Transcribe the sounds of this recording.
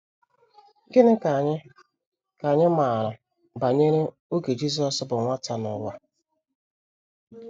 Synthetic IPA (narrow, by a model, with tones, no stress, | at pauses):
ɡɪ˦nɪ˦ka˨ɲ˦ | ka˨ɲɪ˦ma˨ɾʊ˨ | ba˨ɲe˦ɾe˦ | o˦ɡe˨d͡ʒi˦z̬ɔ˨sbʊ˨ŋʷa˦ta˨nʊ̰˨wa˦